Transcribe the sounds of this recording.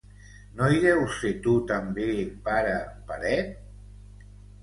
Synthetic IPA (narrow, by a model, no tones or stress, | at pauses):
noiɣɛwset̪ut̪ambepaɾəpaɾɛ